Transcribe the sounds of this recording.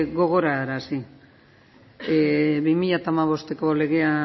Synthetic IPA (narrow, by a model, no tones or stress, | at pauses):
ɣo̞ɣ̞o̞ɾaːɾasi | eβimiʎat̪aːmaβ̞o̞st̪e̞ko̞le̞ɣe̞a